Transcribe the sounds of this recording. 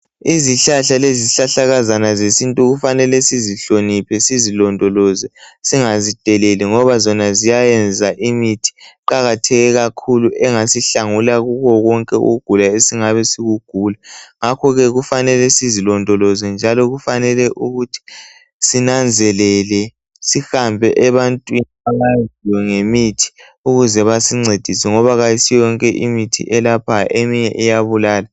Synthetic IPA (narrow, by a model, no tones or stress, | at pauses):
iziɬaɬaleziɬaɬaɣazanazesintʼuɣufanɛlɛsiziɬonipʰɛsizilɔndʱɔlɔzɛsiŋazid̥ʱɛleliŋɔβazɔnazijajɛnd͡zʱaʔimitʰi̥ǃaɣatʰɛɣɛɣakʰuluʔɛŋasiɬaŋulaɣuɣɔɣɔŋkʼɛṵɣuɡ̥ʱulaesiŋaβɛsiɣuɡ̥ʱulaŋakʰɔɣɛɣufanɛlɛsizilɔndʱɔlɔzɛnd͡ʒʱalɔɣufanɛlɛʔuɣutʰi̥ | sinand͡zʱɛlɛlɛ | sixambʱɛʔɛβantʼwiniamaziwɛŋemitʰi̥ | uɣuzɛβasiŋ͡ǀʱed̥ʱisɛŋɔβaɣajisijɔŋkʼɛʔimitʰḭʔɛlapʰaʔemiɲɛʔɛjaβulaːla